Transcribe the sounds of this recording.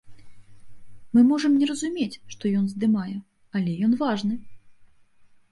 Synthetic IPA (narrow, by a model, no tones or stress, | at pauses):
mɨmɔʐɐmnʲɛɾɐzumʲet͡sʲʂt̪ɔjɔnzd̪ɨmajɛ | ɐlʲɛjɔnvaʐnɨ